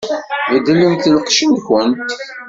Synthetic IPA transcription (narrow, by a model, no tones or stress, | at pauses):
vəd̪ːləmθləqʃənçənt̪